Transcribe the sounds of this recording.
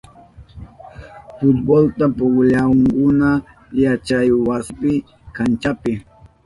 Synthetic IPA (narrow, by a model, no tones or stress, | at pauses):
fʊt̪̚bolt̪apʊɡʎaŋkʊna | jat͡ʃajwaspɪ | kant͡ʃapɪ